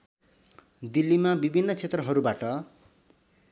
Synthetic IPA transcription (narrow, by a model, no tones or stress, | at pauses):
d̪ilːimabibʱinːʌt͡sʰet̪rʌɦʌɾubaʈʌ